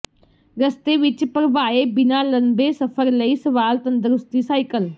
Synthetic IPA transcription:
ɾəst̪eːʋɪt͡ʃpəɾəʋaːeːbɪnaːlənbeːsəpʰəɾləiːsəʋaːlt̪ə̃nd̪əɾʊst̪iːsaːikəl

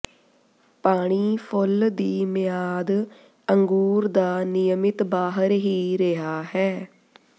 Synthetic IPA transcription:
paːɽ̃iːpʰʊld̪iːmɪjaːd̪ | əŋɡuːɾd̪aːnɪjəmɪt̪baːɦəɾɦiːɾɪɦaːɦɛː

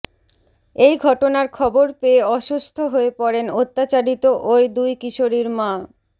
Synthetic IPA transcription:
ejɡʱɔʈonaɾkʰɔboɾpeːɔʃust̪ʰoɦoepɔɾenot̪ːat͡ɕaɾit̪oʔojd̪ujkiʃoɾiɾmã

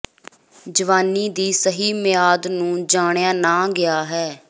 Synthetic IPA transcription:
d͡ʒəʋaːnːiːd̪iːsəɦiːmɪjaːd̪nũːd͡ʒaːɳ̃jaːnaːɡɪaːɦɛː

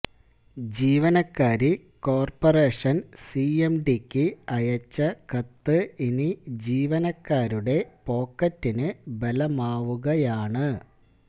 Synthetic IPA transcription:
d͡ʑiːʋɐnɐkːaːɾi | ko̞ːrpɐre̞ːʂɐnsiemɖikʲːɨɐjɐt͡ɕːɐkɐt̪ːɨinid͡ʑiːʋɐnɐkːaːɾuɽe̞po̞ːkːɐtːinɨbɐlɐmaːʋuɣɐjaːɳɨ

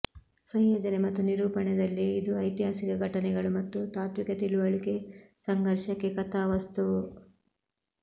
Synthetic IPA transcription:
sɐŋjoːd͡ʒɐnemɐt̪ːuniɾuːpɐɳɛd̪ɐlːiːd̪uɐjt̪iɦaːsikɐɡʱɐʈɐnɛɡɐɭumɐt̪ːut̪aːt̪ʋikɐt̪iluʋɐɭike̞sɐŋɡʱɐɾʃɐkːe̞kɐt̪aːʋɐst̪u

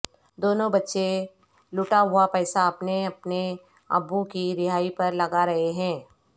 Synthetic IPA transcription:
d̪oːnõbɐtːʃe | lʊʈaɦʊapɛːsaɐpneɐpne | ɐ̰bːukiɾɪɦaːipɐɾlɐɡaɾɐɦeɦɛ̃ː

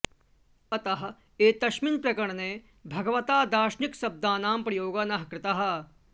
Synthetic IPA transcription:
ɐt̪ɐɦɐ | eːt̪ɐʃmɪnpɾɐkɐɳ̃neː | bʱɐɡɐʋɐt̪aːd̪aːʃnɪksɐb̚d̪aːnaːmpɾɐjoːɡanɐɦɐkɾɪt̪aɦɐ

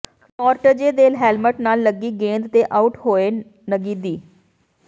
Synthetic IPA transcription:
kɔːɾʈəd͡ʒeːd̪eːlɦɛːlməʈnaːlːəɡiːɡẽːnd̪t̪eːʔaːʊʈhoːeː | nəɡiːd̪iː

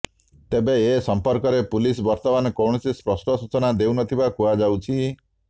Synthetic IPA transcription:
t̪ebeːsɔmpɔɾkɔɾepulisbɔɾt̪ɔmanɔkɔwɳ̃ɔsispɾɔsʈɔsut͡ʃɔnad̪euwnɔt̪ʰibakuad͡ʒawt͡ʃʰi

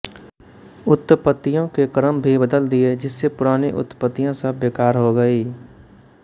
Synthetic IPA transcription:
ʊt̪ːəpət̪ːijõkekəɾəmbʱibəd̪əld̪ied͡ʒɪsːepʊɾaːneʔʊ̰t̪ːəpət̪ːijãsəbːeːkaːɾɦoɡɐiː

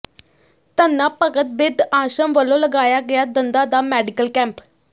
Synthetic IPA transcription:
t̪ənːãːpəkət̪̚bɪd̪aːʃəmʋəlõːləɡaːjaːɡɪjaːd̪ənd̪ãːd̪aːmɛːɖɪkəlkɛ̃ːmp

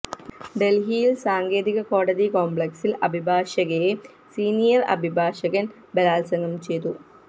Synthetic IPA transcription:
ɖelɦijilsaːŋɡe̞ːðiɣɐko̞ːɽɐðikoːmbɭeksilɐbʱibʱaːʂɐɣɐje | siːnijɐrɐ̰bʱibʱaːʂɐɣɐn | bɐlaːlsɐŋɡɐmt͡ɕe̞jt̪u

